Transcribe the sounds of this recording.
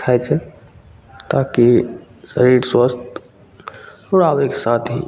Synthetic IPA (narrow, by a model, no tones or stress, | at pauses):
ajt͡ʃʰɛ | t̪aki | sə̰ɾiɾswəst̪ | ɔɾaʋekesat̪ʰɦḭ